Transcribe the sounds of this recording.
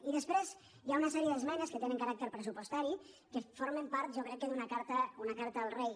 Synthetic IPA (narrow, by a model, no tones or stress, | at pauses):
iðəspɾez | jaunəsɛɾiəðəzmɛnəskət̪enə̃ŋkəɾak̚t̪əɾpɾəs̬upuost̪aɾi | kəfoɾməmpaɾt̪̚ʒɔkɾɛkːəd̪unəkaɾt̪əunəkaɾt̪əəlˠrej